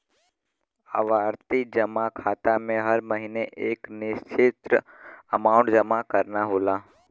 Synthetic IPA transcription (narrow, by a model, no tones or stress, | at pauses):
aʋaːɾt̪id͡ʒəmakʰaːt̪amẽɦəɾməɦineʔeːknɪʃt͡ʃʰɪt̪ɾə | əmaːʊ̃ɳʈd͡ʒəmakəɾnaɦoːlaː